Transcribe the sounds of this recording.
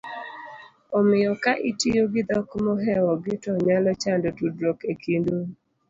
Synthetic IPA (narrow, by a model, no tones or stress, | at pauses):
ɔmɪjɔkaʔitijoɡɪd̪ɔkmɔɦɛwɔɡɪtɔɲalɔt͡ʃandɔtudɾokekʰindo